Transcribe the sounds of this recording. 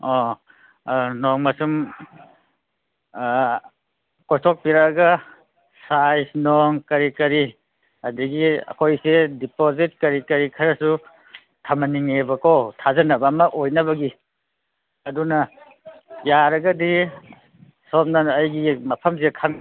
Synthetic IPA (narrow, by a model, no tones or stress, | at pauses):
ɔ | nɔŋmɐsum | kojtʰɔk̚piɾaɡɐ | sajsnɔŋkɐɾikɐɾi | ɐdiɡiɐ̰kʰojsedipozit̚kɐɾikɐɾikʰɐɾɐsu | tʰamɐniŋebɐkotʰazɐnɐbaːmɐʔojnɐβɐɡi | ɐdunɐ | jaɾɐɡɐdi | sɔp̚nɐːjɡimɐpʰɐmsekʰaŋ